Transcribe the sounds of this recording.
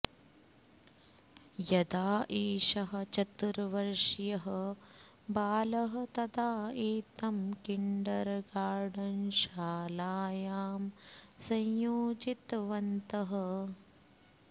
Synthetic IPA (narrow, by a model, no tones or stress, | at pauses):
jɐd̪aːʔeːʃɐɦɐ̆t͡ʃɐt̪ːɾɐʋɐɾʂjɐɦɐ | baːlɐɦɐ̆t̪ɐd̪aːeːt̪ɐmkiɳɖɐɾɡaːɾɖɐnʃaːlaːjaːmsɐ̃jjoːd͡ʒit̪ʋɐnt̪ɐɦɐ